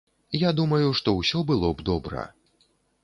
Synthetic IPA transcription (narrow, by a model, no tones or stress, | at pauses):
jad̪umɐjuʂt̪ɔwsʲɔbɨlˠɔbd̪ɔbɾɐ̰